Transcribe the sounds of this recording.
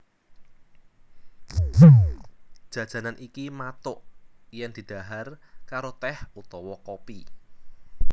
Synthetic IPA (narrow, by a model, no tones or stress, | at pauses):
d̥ʒ̥ä̤d̥ʒ̥ä̤nanʔikimat̪ʊʔjɛŋd̪̥i̤d̪̥a̤ɦarkaɾot̪ɛhut̪ɔwɔkopi